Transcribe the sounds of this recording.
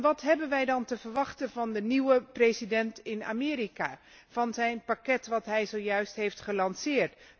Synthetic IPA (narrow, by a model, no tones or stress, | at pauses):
ʋɑtɦɛbənʋɛjdɑntəvəɹʋɑχtənvɑndəniwəprejzidɛntɪna̰ːmɪːɾikaː | v̥ɑnzɛjnpakɛtʋɑtɦɛjzowjœɥstɦejftχəlɑnsɪːɹt